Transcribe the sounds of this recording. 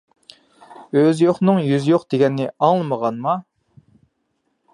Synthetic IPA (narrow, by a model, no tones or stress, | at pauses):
øzjoχnɨŋjyzjoqd̪̥eɡʲɛnːɪɑŋlˠɨməʁɑnmɑ